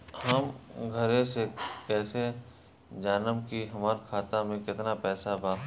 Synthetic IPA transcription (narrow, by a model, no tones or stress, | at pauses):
hɐmɡʱəɾẽsekɛːse | d͡ʒaːnəmkiɦɐmaːɾkʰaːt̪amẽkɪt̪napɛːsabʱaː